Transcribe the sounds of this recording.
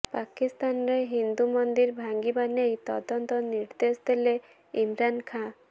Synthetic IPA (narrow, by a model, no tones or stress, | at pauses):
pakist̪anɾeɦind̪umɔnd̪iɾbʱaŋɡibanejt̪ɔ̰d̪ɔnt̪ɔniɾd̪esd̪ele | imɾankʰã